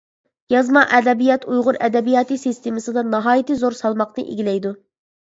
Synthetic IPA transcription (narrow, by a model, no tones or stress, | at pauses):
jɑzmɑʔɛd̪ɛbijɑt̪ʰujʁʊɾɛd̪ɛbijɑːt̪ɨsist̪emɨsɨd̪ɑnɑɦɑːjit̪ɨzoɾsɑlˠmɑqnɨ̰ʔḛɡʲilɛjd̪u